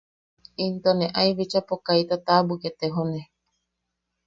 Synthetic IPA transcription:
int̪onẽʔaiβit͡ʃapokajt̪at̪abuket̪eɦone

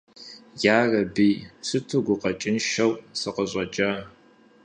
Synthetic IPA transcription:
jaːrɐbiːsɨtʰuɡʷʊqɐt͡ʃʼɪnʃɐwsɨqəɕʼɐd͡ʒʼɐ

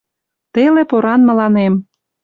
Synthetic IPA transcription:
t̪elepoɾɑnmə̆lɑnem

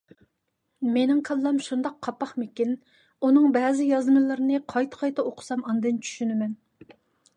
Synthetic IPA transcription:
menɪŋqʰɑlˠːɑmʃund̪ɑqʰːɑpːɑχmɪkʲin | unɨŋbɛːzɪjɑzmɨlˠɨɾɪnɨqʰɑjt̪ʰɨ̥qʰɑjt̪ɑoqʰʊ̥sɑmɑnd̪ɨnt͡ʃʰy̥ʃynɪmɛn

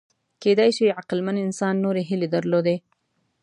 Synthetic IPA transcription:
ked̪ajʃiʕaqlmanɪnsɑnːoɾeɦɪled̪əɾlod̪e

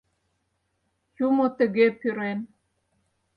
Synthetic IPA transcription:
jumot̪ə̆ɣepyɾen

